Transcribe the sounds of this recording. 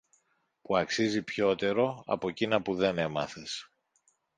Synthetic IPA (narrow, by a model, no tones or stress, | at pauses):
puɐksizipço̞t̪e̞ɾo̞ɐ̰po̞cinɐpuðe̞ne̞mɐ̰θes